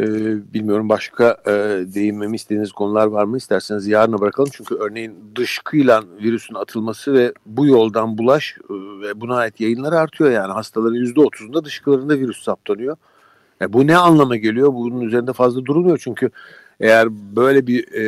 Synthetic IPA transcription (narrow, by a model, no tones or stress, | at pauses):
ɛbilʲmijo̞ɾumbaʃkʰad̪e̞jimmemist̪ed̪iniz̥kʰo̞nulˠaɾvaɾmɯist̪ʰæɾsenizjaːɾɯnabɾakʰalˠɯmt͡ʃʰyɲcʰyø̞ɾne̞jind̪ɯʃkʰɯjlˠanviɾysynat̪ʰɯlˠmasɯvɛbujo̞lˠd̪anbulˠaʃvɛbunaːjit̪jajɯnlˠaɾɯaɾt̪ʰɯjo̞jaːniɦast̪ʰalˠaɾɯnjyzd̪ɛot̪ʰuzund̪ad̪ɯʃkɯlˠaɾɯnd̪aviɾyssap̚t̪ʰanɯjo̞ | jabunɛanlˠamaɟe̞lʲyjo̞bununyzeɾind̪ɛfazlˠad̪uɾulˠmujo̞t͡ʃʰyɲcʰy | ejæɾbø̞jlʲɛbi